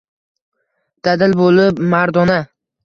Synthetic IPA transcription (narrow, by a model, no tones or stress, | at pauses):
d̪̥ad̪ɪlbolɪpmaɾd̪ɒna